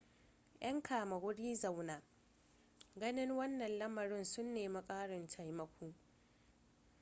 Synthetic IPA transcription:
jʔɐ˦ŋkʰaː˨mɐ˨wʊ˦ɽiː˦za˨wnaː˨ | ɡɐ˦nɪ˦ŋwɐ˦nːɐ˨nlɐ˦mɐ˨ɽɪ˦nsʊ˦nːeː˨ma˦kʼaː˦ɽɪ˨nt͡ʃa˨jmɐ˦kʷuː˦

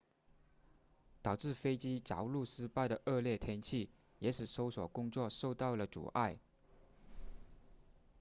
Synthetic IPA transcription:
t̪ɑ˨˩ʊʈ͡ʂɻ̩˥˩fe˥ɪt͡ɕi˥t͡ɕjɑ̰˧˥ʊlu˥˩ʂɻ̩˥pa˥˩ɪd̪ə˩ʔɤ˥˧ljɛ˥˩t̪ʰjɛ˥nt͡ɕʰi˥˩ | jɛ˧˥ʂɻ̩˨˩so˥ʊswɔ̰˨˩kʊ˥ŋt͡swɔ˥˧ʂo˥˧ʊt̪ɑ˥˩ʊlə˩ʈ͡ʂṵ˨˩ʔa˥˩ɪ

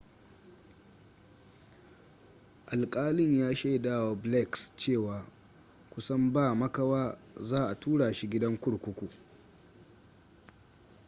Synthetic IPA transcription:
ʔa˨lkʼaː˦lɪ˦˨ɲjaː˦ʃe˦˨daː˦˨wa˨blɛ˦˨kst͡ʃeː˦˨waː˨ | kʷʊ˦sɐ˦mbaː˦˨mɐ˦kɐ˦waː˦ | zaː˦˨ʔa˨tʰuː˦ɽaː˨ʃi˦ɡʲɪ˦dɐ˦ŋkʷʊ˦ɽkʷʊ˦kʷu˨

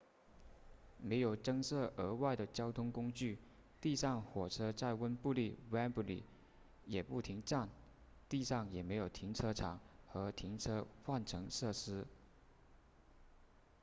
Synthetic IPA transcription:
me˧˥ɪjo˨˩ʊʈ͡ʂɤ˥ŋsɤ˥˩ʔə˧˥wa˥˩ɪd̪ə˩t͡ɕjɑ˥ʊt̪ʰʊ˥ŋkʊ˥ŋt͡ɕy˥˩ | t̪i˥˧ʂɑ˥˩ŋxwɔ˨˩ʈ͡ʂʰɤ˥t͡sa˥˩ɪwə˥npu˥˧li˥˩wa˥npu˥˩lḭ˨˩ | jɛ˨˩pu˥˩t̪ʰi˧˥ŋʈ͡ʂa˥˩n | t̪i˥˧ʂɑ˥˩ŋjɛ˨˩me˧˥ɪjo˨˩ʊt̪ʰi˧˥ŋt͡sʰɤ˥ʈ͡ʂʰɑ˨˩˦ŋxɤ˧˥t̪ʰi˧˥ŋt͡sʰɤ˥xwa˥˩nʈ͡ʂʰɤ˧˥ŋʂɤ˥˩ʂɻ̩˥

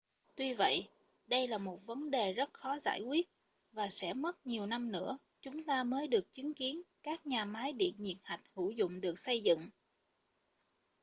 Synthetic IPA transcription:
t̪wi˧və̰˧˨j | ɗə˧jlaː˨˩mo˨˩t̚və˨˦nɗe˨˩zə˦˥t̚xɔ˨˦za̰ː˧˩jkwi˦˥ət̚ | vaː˨˩sɛ̰˧˥mə˦˥t̚ɲi˨˩əwna˧mnɨ̰˧˥ə | t͡ɕʊ˨˦ŋ͡mt̪aː˧məː˨˦jɗɨ˨˩ək̚t͡ɕi˨˦ənki˨˦ənkaː˦˥k̚ɲaː˨˩maː˨˦jɗḭ˧˨ənɲḭ˨˩ət̚ha˨˩jk̟̚hu˧˩zʊ̰˧˨ŋ͡mɗɨ˨˩ək̚sə˧jzɨ̰˧˨ŋ

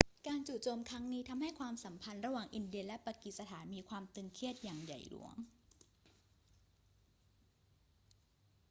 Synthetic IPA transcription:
kaː˧nt͡ɕuː˨˩t̪̚t͡ɕo˧mkʰɾa˦˥ŋniː˦˥t̪ʰa˧mha˥˩jkʰwaː˧msa˩˦mpʰa˧nɾa˧waː˨˩ŋʔi˧ndi˧ənlɛ˦˥paː˧ki˨t̪̚sa˧t̪ʰaː˩˦nmiː˧kʰwaː˧mt̪ɯ˧ŋkʰi˦˥˩ət̪̚jaː˨˩ŋja̰˨˩jlṵ˩˦əŋ

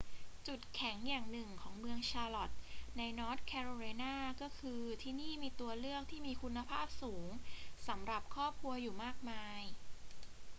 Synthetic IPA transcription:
t͡ɕu˨˩t̪̚kʰɛ˩˦ŋjaː˨˩ŋnɯ˨˩ŋkʰɔː˩˦ŋmɯ˧əŋt͡ɕʰaː˧lɔ˨˩t̪̚na˧jnɔː˦˥t̪̚kʰɛː˧ɾoː˧laː˧jnaː˥˩kɔː˥˩kʰɯː˧t̪ʰiː˥˩niː˥˩miː˧t̪u˧ɐlɯ˥˩ək̚t̪ʰiː˥˩miː˧kʰu˧nːa˧pʰaː˥˩p̚suː˩˦ŋsa˩˦mɾa˨˩p̚kʰɾɔː˥˩p̚kʰu˧ɐjuː˨˩maː˥˩k̚maː˧j

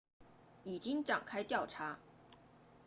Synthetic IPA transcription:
i˨˩t͡ɕi˥ŋʈ͡ʂa̰˨˩ŋkʰa˥ɪt̪jɑ˥˩ʊʈ͡ʂʰa˧˥

